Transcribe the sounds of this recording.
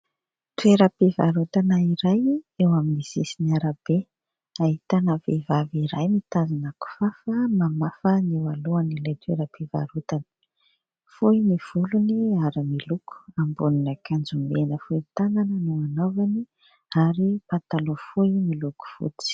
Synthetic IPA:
t̪ueɾəpivaɾut̪anəiɾajewaminizisiniaɾab̥e | aɦit̪anavḛvaviɾajmit̪azinaku̥fafəmamafəniwaluanilajt̪weɾəpiva̰ɾut̪anə̥ | fujimiv̥uluniaɾimiluku̥ambuninakʰand͡zumenəfuit̪ananənuanovani | aɾipat̪alofujimiluku̥fṵt͡si̥

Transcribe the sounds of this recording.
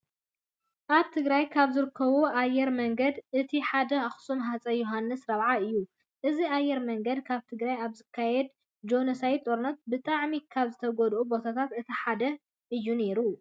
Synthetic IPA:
ʔaβt̪ʰɨɡɾajkʰaβzɨɾɨkʰːɐβuajːɛɾmɐŋɡɐd̪ʔɨt̪ʰiħad̪ɐaxsumɦat͡sʼɐjoɦanːɨsɾɐβʕaɨjːu | ʔɨziajːɛɾmɐŋɡɐd̪kʰaβt̪ʰɨɡɾajaβzɨkʰːajɛd̪̚ | d͡ʒo̞nɐsajt̪ʼo̞ɾunːɐt̪̚bɨt̪ʼaʕmikʰaβzɨt̪ʰɐɡɔd̪ʔubo̞t̪ʰat̪ʰat̪ɨt̪ʰiħad̪ɐ | ʔɨjːune̞ɾu

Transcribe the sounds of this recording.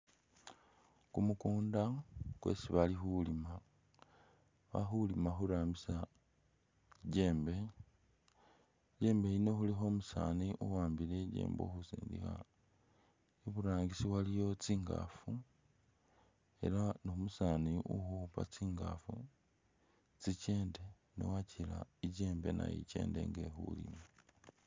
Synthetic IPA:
kumukuːndakwe̞̰ːsiβalixulima | βa̰xulimaxuɾaːmbisa | ɟe̞ːmbe̞ | ɟe̞ːmbe̞ino̞xulixo̞ːmusa̰ːniʔuwaːmbileɟḛːmbo̰xusḭːndḭxa̰ | eβuɾaːŋɡisiwalijo̞t͡siːŋɡa̰fu | e̞̰laniomusaːniʔuxupa̰t͡siːŋɡa̰fu | t͡sice̞ːnde̞ | no̰wacila̰iɟe̞ːmbe̞na̰jḭce̞̰ːnde̞̰ŋɡexṵlḭma

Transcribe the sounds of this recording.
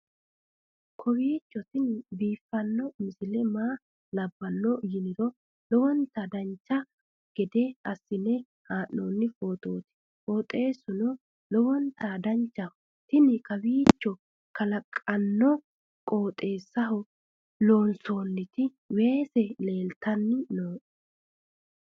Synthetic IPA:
kʰɔbiːt͡ʃːɔt̪ɪnbiːfːɐnːɔmɪsɪlɛmaː | lɐbːɐnːɔjɪnɪɾɔ | lɔwɔnt̪ːɐd̪ɐnt͡ʃːɐ | ɡ̥ɛd̪ɛɐsːɪnɛ | haːʔːoːnːɪfo̞ːt̪ʼoːt̪ɪ̥ | foːt̪ʼe̞ːsɔnɔ | lɔwɔnt̪ad̪ɐnt͡ʃːɐ | t̪ɪnɪkɐbiːt͡ʃːɔ | kɐlɐkʼːɐnːɔ | kʼo̞ːt̪ʼe̞ːsːɐɦɔ | lo̞ːnso̞ːnːɪt̪ɪ | we̞ːsɛle̞ːlt̪ɐnːɪnoːʔ

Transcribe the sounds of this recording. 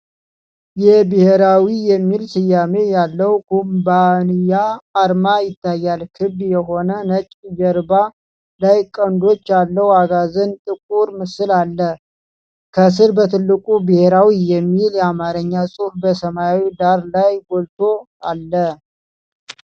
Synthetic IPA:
jɛbɨheɾawijɛmːilsɨjame̞jalːəwkumbanijaːɾmajɪt̪ʰːajːalkʰɨbd̪jɛɦo̞nənət͡ʃʼd͡ʒəɾba | lajkʼənd̪o̞t͡ʃːalːəwaɡazɨnt̪ʼɨkʼuɾmɨsɨlalːə | kʰəs̬ɨɾbət̪ʰɨlːɨkʼubɨhe̞ɾawijɛmːiljɛamaɾəɲːasʼufbəsəmawid̪aɾlajɡolt̪ʰo̞ | alːə

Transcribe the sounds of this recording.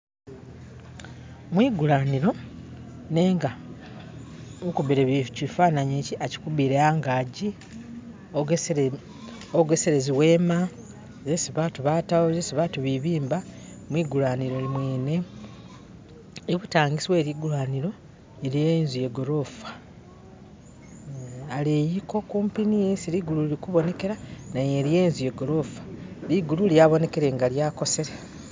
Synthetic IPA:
mwiːɡulaniɾo̞ | ne̞ːŋɡa | ukuβiɾeβicifaːnaɲeːciʔaci̥kuβiɾeaːŋɡaːɟi | oɡe̞seɾeziwe̞ːma | zesiβatuβatawozesiβatuβiβiːmba | mwiːɡulwaːniɾo̞limwe̞ːne̞ | eβutaːŋɡisiwe̞ːɾiɡulwaːniɾo̞ | eɾjenzuje̞ɡo̞ɾo̞fḁ | aleːjiko̞kuːmpinijesiɾiɡuluiɾikuβo̞ne̞ke̞ɾanaje̞ɾjeːnzuje̞ɡo̞ɾo̞fḁɾiɡululjaβo̞ne̞ke̞ɾe̞ŋɡaljaːko̞se̞ɾe

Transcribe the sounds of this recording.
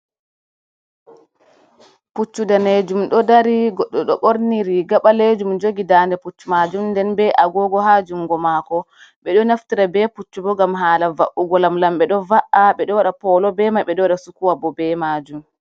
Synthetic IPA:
put͡ʃːudaned͡ʒumɗɔdaɾiɡɔɗːɔɗɔɓoɾniɾiɡaɓaled͡ʒumd͡ʒoɡidandɛput͡ʃːumad͡ʒumndɛnbɛʔaɡɔɡɔɦad͡ʒuŋɡɔmakɔ | ɓɛɗɔnaftiɾabɛput͡ʃːubɔɡamɦaːlavaʔuɡɔlamlamɓɛɗɔvaʔaɓɛɗɔwaɗapɔlɔbɛmaɓɛɗɔwaɗasukuwabɔbɛmaːd͡ʒum

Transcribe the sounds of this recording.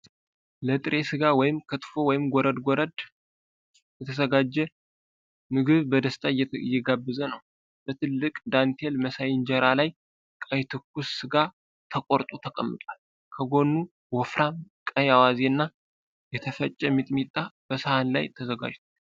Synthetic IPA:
lət̪ʼɨɾʔe̞sɨɡawɔjɪmkʰət̪ʼfo̞wɔjɪmɡɔɾəd̪ɡɔɾəd̪ | jɛt̪ʰəzəɡad͡ʒːɛ | mɨɡɨβbəd̪əst̪ʼajɛɡabːɨzənəw | b̥ət̪ʰɨlːɨkʼd̪ant̪ʰelməsajɪnd͡ʒɛɾalaj | kʼajt̪ʰɨkːusːɨɡa | t̪ʰəkʼoɾt̪ʼut̪ʰəkʼəmːɨt̪ʼal | kʰəɡo̞nːu | wɔfɾamkʼəjawazenːa | jɛt̪ʰəfət͡ʃʼːɛmit̪ʼmit̪ʼːab̥əsɨhanla̰jt̪ʰəzəɡa̰d͡ʒt̪ʰal

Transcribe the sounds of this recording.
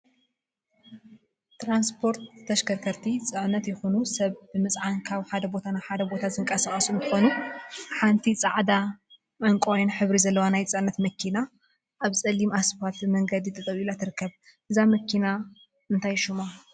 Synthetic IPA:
t̪ɾanspʰo̞ɾt̪ːɐʃkɐɾkʰɐɾt̪ʰit͡sʼɨʕnɐt̪jɪxunusɐβbɨmɨt͡sʼʕankʰaβħad̪ɐbo̞t̪ʰanaħad̪ɐbo̞t̪ʰazɨŋkʼɐsaχʼɐsuɨnt̪ʰɨxo̞nuħant̪ʰit͡sʼaʕd̪a | mɐŋkʼojnħɨβɾizɐlːɐwanajt͡sʼɨʕnːɐt̪mɐkʰːina | ʔaβt͡sʼɐlːimasfat̪mɐŋɡɐd̪it̪ʰɐt̪ʼɐβilat̪ʰɨɾɨkːɐβ | ʔɨzamɐkʰina | ʔɨnt̪ʰajʃuma

